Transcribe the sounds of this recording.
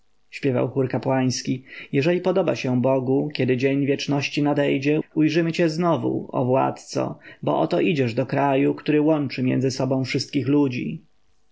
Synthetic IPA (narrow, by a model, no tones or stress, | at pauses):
ɕpʲjɛva̰wxuɾkapwaj̃skʲijɛʐɛlʲipɔd̪ɔba̰ɕɛbɔɡukʲɛd̪ɘd͡ʑeɲvʲjɛt͡ʂnɔɕt͡ɕinad̪ɛjd͡ʑɛujʐɘmɘt͡ɕɛznɔvṵɔ̰vwa̰t̪t̪sɔ̰bɔ̰ʔɔ̰t̪ɔʔid͡ʑɛʐd̪ɔkɾajukt̪uɾɘwɔnt͡ʂɘmʲjɛ̰nzɘsɔbɔ̃w̃fʂɘst̪̚kʲixlud͡ʑḭ